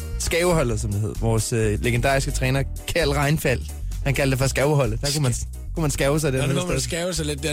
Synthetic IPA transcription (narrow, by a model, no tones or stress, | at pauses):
sɡ̥ɛːʊhɒ̽l̰ð̩ˠsɒ̽md̥iɦe̝ð̰ˠɐʋɒːsøleɡ̥end̥ɑ̰̈ːisɡ̥ət͡sʰʁɛːnɐ | kʰæɐlʁɑ̈ɪnfæl̰ | hænkʰæld̥efɒ̽sɡ̥æʊɦɒ̽l̰ð̩d̥ækʰumæn | kʰumænsɡ̥ɛʊəsɑ̈ɪd̥eɐmsɡ̥ɛʊəsaɪled̥ːe